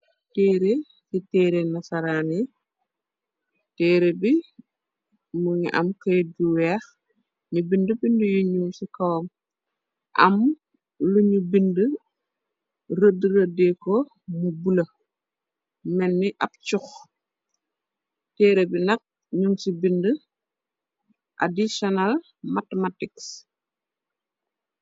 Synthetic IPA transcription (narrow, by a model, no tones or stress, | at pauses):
tɛːɾe | sitɛːɾenɐsɐɾaːni | tɛːɾebi | muɲḭʔɐ̰mkɐjduwɛx | ɲubindəbindəjuɲusikɐwm | ʔɐ̰m | luɲubində | rədəɾədɛkɔ | mubulɐ | mɛnːiʔɐp̚t͡ʃux | tɛːɾebinɐk̚ | ɲuŋsibində | ʔa̰disɔnal | matematiks